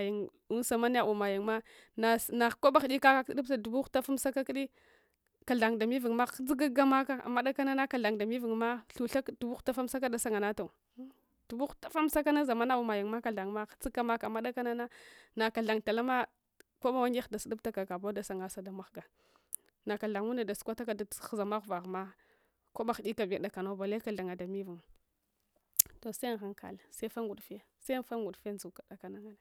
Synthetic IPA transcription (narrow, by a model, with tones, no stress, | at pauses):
ji˨ŋ | u˦n˦sa˨ma˦n˦a˦u˨ma˨ji˨ŋma˦ | na˨na˨ko˦ba˦xdi˦ka˦ka˦kdu˦b̚a˨du˨bu˦xta˦fa˦msa˦ka˦kɗi˦ | ka˨ɮa˨ŋda˨mi˦vi˨ŋma˦d͡zi˦ɡa˦ɡa˦ma˦ka˨a̰˨mːa˦ɗa˦ka˦na˦na˦ka˨ɮa˨ŋda˨mi˦vi˨ŋma˦ɬu˨ɬa˦kdu˨bu˦xta˦fa˦m˦sa˦k̬a˦da˨sa˦ŋa˨na˦ta˨˦ | d̥u˨bu˦xta˨fa˦m˦sa˦ka˦na˦za˨ma˦na˦u˨ma˨ji˨ŋma˦ka˨ɮa˨ŋma˦t͡si˦ɡa˦ma˦ka˨ma˦da˦ka˦na˦na˦na˨ka˨ɬa˨ŋta˨la˦ma˦ | ko˦ma˦˨wa˦ŋɡe˦xda˨si˦du˦ta˦ka˨ka˨ba˦da˨sa˨ŋa˦sa˨da˦ma˦xɡa˨ | na˨ka˨ɮa˨ŋu˦na˨da˨su̥˦kʷa˦ta˦ka˦dza˨ma˦ɣva˨ɣma˦ | ko˦ba˨xdi˦ka˨bi˨da˨ka˨no˦ba˨le˦a˨ɮa˨ŋa˨da˨mi˦vu˨ŋ | to˨sa˦˨a˦ŋkʰa̰˨la˨se˦fa˦ŋɡu˨dfe˦se˦fa˦ɡu˨dfe˦n˦zu˨ka˨da˨ka˨na˦ŋa˦na˨